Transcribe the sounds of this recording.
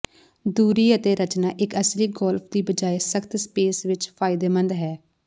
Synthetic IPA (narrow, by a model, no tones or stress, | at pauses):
d̪uːɾiːət̪eːɾət͡ʃnaːʔɪkəsliːɡɔːlpʰd̪iːbəd͡ʒaːesəkt̪speːsʋɪt͡ʃpʰaːɪd̪eːmə̃nd̪ɦɛː